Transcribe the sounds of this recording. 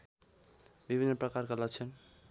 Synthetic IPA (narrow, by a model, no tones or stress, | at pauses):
bibʱinːʌpɾʌkaɾkʌlat͡ʃʰʌn